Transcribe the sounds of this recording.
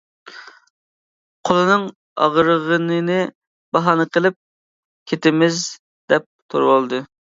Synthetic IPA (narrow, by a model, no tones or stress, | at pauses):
qʰolˠɨnɨŋ | ɑ̰ʁɾəʁənɨnɨ | bɑɦɑnɨqʰəlˠɪp̚ | kʲʰet̪ɪmɪz | d̪ɛp̚t̪ʰoɾwolˠd̪ɨ